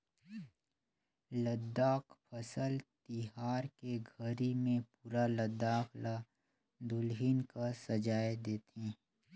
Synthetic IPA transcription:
ləd̪ːaːkpʰəsəlt̪ɪɦaːɾkeɡʱəɾimẽpuːɾaləd̪aːkla | d̪ʊlɦɪnkasɐd͡ʒaːed̪eːt̪ĩ

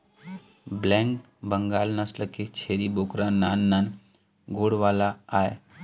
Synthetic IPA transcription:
blɛ̃ːŋk | bəŋɡaːlnəsʈəkːet͡ʃʰeːɾiboːkɾaːnːaːnːaːn | ɡoːɽʋaːlaaːe

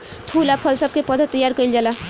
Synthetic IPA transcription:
pʰulapʰʌlsʌb̚kepʌd̪ʱət̪ːʌjaɾkʌild͡ʒala

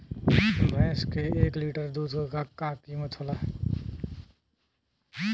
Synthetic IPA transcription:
bʱɛ̃ːskeeːkliːʈəɾd̪uːd̪kokakaːkiːmət̪ʰoːlaɦɛ

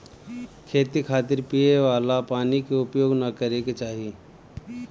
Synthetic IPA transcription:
kʰeːt̪ikʰaːt̪ɪɾpijeʋaːlapaːnikeʊpjoːɡnɐkəɾeket͡ʃaːɦijeː

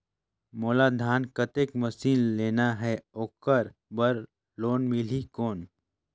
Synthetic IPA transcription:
moːlad̪ʱaːnkət̪eːkmɐsiːnleːnaɦɛoːkəɾbəɾ | loːnmɪlikoːn

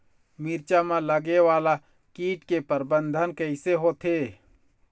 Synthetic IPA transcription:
miɾt͡ʃamãləɡeʋaːla | kiːʈkepəɾbə̃nd̪ʱənkəɪseɦot̪ʰeː

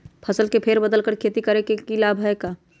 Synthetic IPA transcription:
pʰəsəlkepʰeɾbəd̪əlkəɾkʰeːt̪ikəɾekekilabʱeka

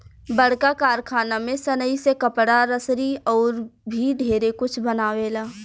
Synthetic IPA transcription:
bəɽ̤kakaːɾkʰaːnamẽsənəisekəpɽaɾəsɾiɔːɾbʱiɖʱeːɾekʊt͡ʃʰbənaːweːlaː

